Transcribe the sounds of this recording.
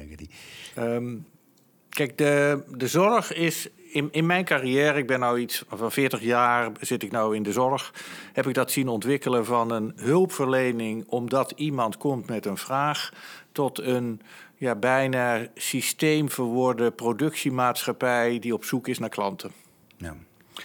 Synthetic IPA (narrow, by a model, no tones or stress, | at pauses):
dəm | kɛjk̚dədəzɔɹxɪsɪnmɛjnkarijɛːɾəɪɡ̚bɛnːawitsfɑnfɪːɹtəχjaːrz̥ɪtɪknawɪndəzɔɹxhɛpɪɡ̚dɑtsinɔntʋɪkələvɑnənɦɵlˠpfəɹlejnɪŋɔmdɑtimɑntkɔmtmɛtənv̥raːχtɔtən | jaːbɛjnaːsistejmfərʋɔɹdəprodɵksimaːtsxapɛjdiɔpsukɪsnaːɹklɑntʰə